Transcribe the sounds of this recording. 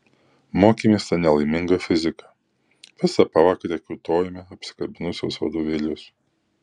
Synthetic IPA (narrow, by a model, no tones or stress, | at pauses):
moːkʲimʲeːst̪ɐnʲɛlˠɐɪmʲɪŋɡɐfʲɪzʲɪkɐ̥ | ʋʲɪsɐpɐʋɑːkɐɾʲɛkʲʊt̪oːjmʲɛɐpʲsʲɪ̥kɐbʲɪnʊsʲo̰sʋɐ̰d̪oːʋʲɪlʲʊs